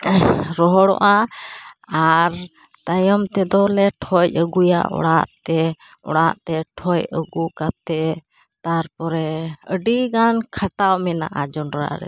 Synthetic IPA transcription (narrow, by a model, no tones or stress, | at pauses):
ɾɔɦɔɽɔ̰ʔa | aɾ | t̪ajɔmt̪ɛd̪ɔlɛʈʰɔjˀəɡuja̰ʔɔ̰ɽaʔt̪ɛ | ɔ̰ɽaʔt̪ɛʈʰɔjəɡukat̪ɛ | t̪aɾpɔɾɛəɖiɡankʰaʈawmɛna̰ʔad͡ʒɔɳɾa̰ɾɛ̰